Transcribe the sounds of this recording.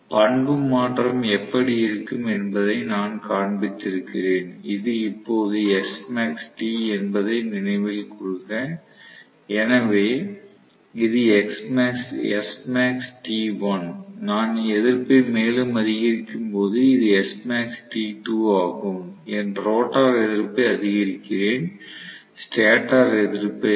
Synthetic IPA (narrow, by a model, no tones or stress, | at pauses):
pɐɳbɯmːaːʈrɐmɛpːɐɽɪɪɾɯkːɯmɛnbɐðɐɪnaːnkaːɳbɪt̪ːɪɾɯkːɪreːnɪðɯɪpːoːðɯɛsmaːksʈiːɛnbɐðɐɪnɪnɐɪʋɪlkʊɻɯkːɐ | ɛnɐʋeː | ɪðɯɛksmaːksɛ̰smaːksʈiːʋɐnnaːnɛðɪɾpeɪmeːlɯmɐðɪɣɪɾɪkːɯmpoːðɯɪðɯɛsmaːksʈiːʈuːaːɣɯmɛnɾoːʈːaːɾɛðɪɾpːɐɐðɪɣɪɾɪkːɪɾeːn | sʈaːʈaːɾɛðɪɾpːɐ